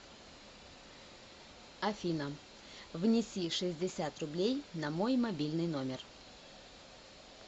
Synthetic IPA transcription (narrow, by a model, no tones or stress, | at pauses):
ɐfʲinə | vnʲɪsʲiʂɨzʲdʲɪsʲat̪rʊblʲejnɐmo̞jmɐbʲilʲnɨjno̞mʲɪr